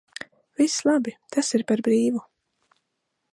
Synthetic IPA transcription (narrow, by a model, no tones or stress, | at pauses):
vislˠabit̪asiɾpaɾbɾiːvu